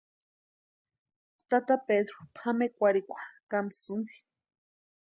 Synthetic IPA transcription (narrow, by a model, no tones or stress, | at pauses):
t̪at̪aped̪ɾopʰamekʷaɾikʷʰḁkamit͡sɨnd̪i̥